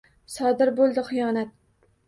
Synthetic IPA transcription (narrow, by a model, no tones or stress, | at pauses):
sɒd̪ɪɾbolˠd̪ɪχɨjɒnat̪̚